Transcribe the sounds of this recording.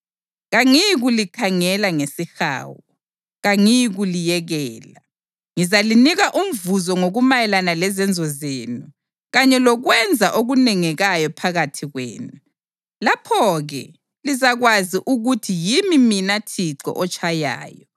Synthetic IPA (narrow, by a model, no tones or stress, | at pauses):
ɣaŋiɣulikʰaŋɛlaŋesixa̰ːwɔ | ɣaŋijiɣulijɛɣɛːla | ŋizaliniɣaʔum̩vuzɔŋoɣumajɛlanalɛzɛnd͡zʱɔzeːnu | ɣaɲɛlɔɣwɛnd͡zʱaʔoɣunɛŋɛɣajɔpʰaɣatʰiɣwḛːnu | lapʰɔɣɛ̰ | lizaɣwaziʔuɣutʰijimiminatʰiǀɔ̰ʔɔt͡ʃʼʰaja̰ːjɔ